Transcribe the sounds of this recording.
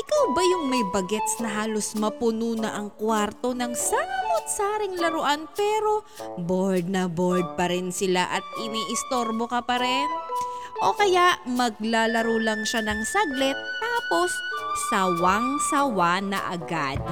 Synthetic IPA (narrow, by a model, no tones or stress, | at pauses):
ʔɪkawbɐjʊŋmɐjbɐɡɛt̪snɐɦaːlo̞smɐpʊnuːnɐʔɐŋkwaɾt̪o̞nɐŋsamot̪̚saːɾɪŋlɐɾoʔanpɛːɾo̞ | boɹd̪̚nɐboɹd̪̚pɐɾɪnsɪlaʔɐt̪̚ʔɪniʔɪst̪o̞ɾbokɐpɐɾɛnʔo̞kɐjaʔmɐɡ̚laːlɐɾolɐŋʃanɐŋsɐɡlɛt̪ːaːpo̞sːɐwaŋsɐwanɐ̰ʔɐ̰ɡa̰d̪̚